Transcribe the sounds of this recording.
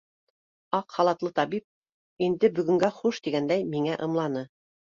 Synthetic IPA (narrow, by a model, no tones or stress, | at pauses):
ɑqχɑlˠɑt̪lˠɤt̪ɑβip̚ | ind̪ɘbɵ̆ɡɵ̆ŋɡæχuʃt̪iɡænd̪æjmiŋæʔɤ̆mlˠɑnɤ